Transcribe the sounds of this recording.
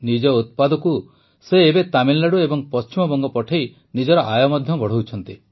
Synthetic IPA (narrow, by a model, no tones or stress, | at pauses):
nid͡ʒɔut̪̚pad̪ɔku | seːbet̪amilːaɽuebɔŋpɔst͡ʃimɔbɔŋɡɔpɔʈʰaj | nid͡ʒɔɾɔʔajɔmɔd̪ʱjɔbɔɽ̤owt͡ʃʰɔnt̪i